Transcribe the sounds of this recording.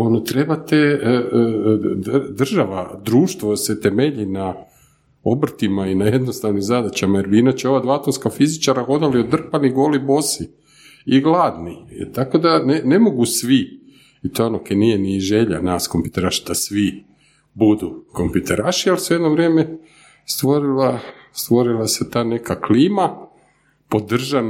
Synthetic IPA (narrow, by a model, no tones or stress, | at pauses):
onot̪ɾe̞bat̪e | d̪d̪rʒaʋad̪ɾuːʃt̪ʋoset̪e̞me̞ʎina | o̞br̩t̪imainaje̞d̪nost̪aʋnimzad̪at͡ɕamajeɾbinot͡ɕeo̞ʋad̪ʋat̪onskafizit͡ʃaɾaɣo̞d̪aliod̪r̩paniɡo̞ːlibo̞si | iɡlˠaːd̪nit̪ako̞d̪anene̞mo̞ɡusʋi | it̪oonokenijeniʒeʎa̰naskompjut̪eɾaʃi̥d̪asʋi | bud̪uko̞mpjut̪eɾaʃialsujed̪noʋɾjeːme | st̪ʋo̞ɾila | st̪ʋo̞ɾilˠase̞t̪aːne̞kʰakliːma | po̞d̪r̩ʒan